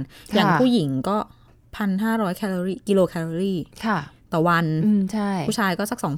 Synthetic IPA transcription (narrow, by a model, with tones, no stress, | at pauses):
njaː˨˧˩pʰuː˥˩ji˩˦ŋkɔː˥˩ | pʰa˧nɦaː˥˩ɾɔː˦˥jkʰɛː˧lɔ˧ɾiː˥˩ki˧loː˧kʰɛː˧loː˧ɾiː˥˩kʰa˥˩t̪ɔː˨˩wa˧nː˧t͡ɕʰa˥˩juː˥˩t͡ɕʰaː˧jkɔː˥˩sa˦˥k̚sɔː˩˦ŋ